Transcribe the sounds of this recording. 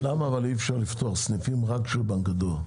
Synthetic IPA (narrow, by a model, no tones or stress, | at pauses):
lamaːvaliefʃaʁlift̪oaʁsnifimʁakʃelbaŋɡad̪o